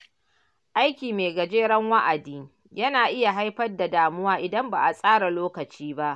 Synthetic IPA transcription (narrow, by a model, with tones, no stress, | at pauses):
ʔa˦jkʲiː˨meː˨ɡɐ˨d͡ʒeː˦ɽɐ˦ŋwa˦ʔa˨diː˦ | jɐ˦naː˨ʔɪ˦ja˨ɦa˦jɸɐ˦rda˨daː˨mʊ˦waː˦ʔɪ˨dɐ˦mba̰˨ʔa˨sʼaː˦ɽa˨loː˦kɐ˨t͡ʃiː˦ba˦ʔ